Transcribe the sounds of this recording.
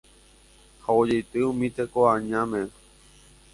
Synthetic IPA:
haod͡ʒejt̪ɨũmĩt̪ekoaɲãmẽ

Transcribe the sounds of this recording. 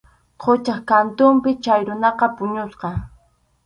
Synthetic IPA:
qʰot͡ʃaχkant̪ʊmpɪt͡ʃajɾʊnɑqɑpʊɲʊsqɑ

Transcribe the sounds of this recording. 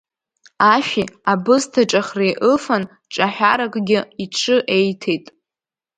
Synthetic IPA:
aʃᶣiabɨztʰaʈ͡ʂʼaχrejʔɨfan | ʈ͡ʂʼaħʷᶣaɾakʼɡʲɪiʈ͡ʂʰɨʔe̞jtʰejtʼ

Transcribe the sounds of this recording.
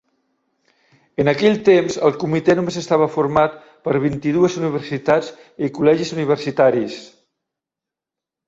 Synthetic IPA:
ənakɛʎt̪emzəlˠkumit̪ɛnumezəst̪aβ̞əfuɾmat̪ | pəɾβ̞int̪iðuəzuniβ̞əɾsit̪ad͡z | ikulɛʒizuniβ̞əɾsit̪aɾis

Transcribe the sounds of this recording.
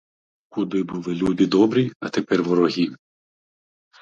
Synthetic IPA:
kud̪ɪbulˠɪlʲud̪ɪd̪ɔbɾʲiɐt̪epɛrʋɔɾɔɦʲi

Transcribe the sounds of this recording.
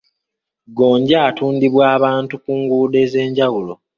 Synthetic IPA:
ɡo̞ːɲɟaːtuːndiβwaːβaːntukuːŋɡuːde̞ːze̞ːɲɟawulo

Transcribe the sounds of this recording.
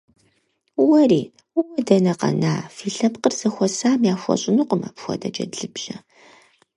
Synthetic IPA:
wɐriː | wɐdɐnɐqɐ̰na̰ːfiːɬɐpqərz̥ɐxʷɔsaːmjaːxʷɔ̰ɕʼɪnuqʷʼʊma̰ːpxʷɔ̰dɐd͡ʒɐ̰dɮɨbʒɐ

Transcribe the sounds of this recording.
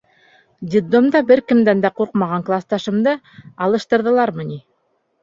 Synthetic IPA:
d̪ʲid̪omd̪ɑbɘɾkɘ̆md̪ænd̪æquɾqmɑʁɑŋklˠɑst̪ɑʃɤ̆md̪ɤ | ɑlˠɤ̆ʃt̪ɤ̆ɾðɤ̆lˠɑɾmɤ̆nʲi

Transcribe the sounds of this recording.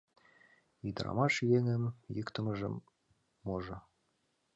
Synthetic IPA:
id̪ɾɑ̰mɑʃijeŋɘ̆mjɤkt̪ɤ̆mɤ̆ʒɤ̰̆mː | oʒɤ̆

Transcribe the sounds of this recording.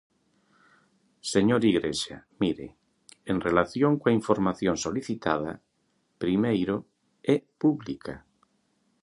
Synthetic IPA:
seɲoɾiɣɾeʃamiɾḛ | enrelaθjõŋkwaiɱfoɾmaθjoŋsoliθit̪að̞a̰ | pɾimejɾo | ɛpuβlikʰa

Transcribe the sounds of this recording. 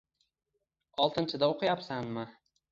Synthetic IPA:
ɒlˠt̪ʰɪnt͡ʃʰɪd̪aoqʰɨjapsanmɪ

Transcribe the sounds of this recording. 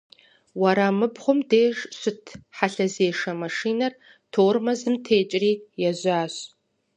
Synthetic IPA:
wɐɾamɨbχʷʊmdeːʒɕʷʊtʰħaɬɐzeːʂɐmɐʂiːnɐr | tʰoːrmɐzɨmtʰeːt͡ʃʼriːjɛzaːɕ

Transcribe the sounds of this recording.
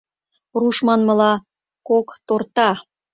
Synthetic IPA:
ruʃmɑnmɤ̆lɑ | kokt̪ort̪ɑ

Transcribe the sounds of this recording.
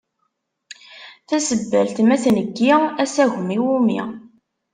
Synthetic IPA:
θæsəbːæ̰lt̪mæθnəɡːiæsæʝmiwumḭ

